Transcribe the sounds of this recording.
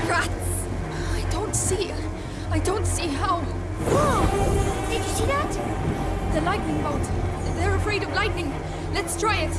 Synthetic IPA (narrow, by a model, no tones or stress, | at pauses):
ɹ̥ats | aɪdõʊ̃ntsi | aɪdõʊ̃ntsiɦaʊ | o | θɪ̃kɨsiðæt | ðɨlaɪtⁿnɪ̃ŋbaʊtðə˞əfɹeɪɾʌvlaɪtⁿnɪ̃ŋ | lɨtstʰɹ̥aɪɪt̚